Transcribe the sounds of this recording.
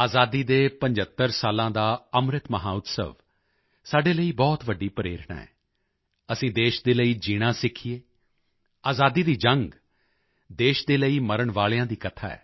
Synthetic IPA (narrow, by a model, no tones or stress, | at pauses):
aːzaːd̪iːd̪eːpəɲd͡ʒət̪ːəɾsaːlãːd̪aːəmɾɪt̪məɦãːʊt̪sə̰ʋ | saːɖeːləiːbɔːt̪ʋəɖːiːpəɾḛːɾɳa̰ːɛ̰ː | əsĩːd̪eːʃd̪eːləiːd͡ʒiːɽ̃ãːsɪkʰieː | aːzaːd̪iːd̪iːd͡ʒəŋɡ | d̪eːʃd̪eːləiːməɾəɳʋaːɭjãːd̪iːkət̪ʰaːɛ̰ː